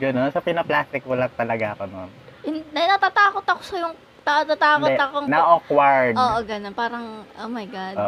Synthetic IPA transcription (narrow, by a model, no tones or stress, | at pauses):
ɡɐnonsɐpɪnɐplaːst̪ɪk̚wɐlɐŋ̚t̪ɐlɐɡaʔɐkononʔɪnnɐnɐt̪aːt̪aːkot̪ɐko̥sɐjʊŋ | t̪at̪aːt̪aːkot̪ɐkoŋnɐʔokwɐɹd̪ʔoːʔoɡɐnonpaːɾɐŋʔomɐjɡad̪o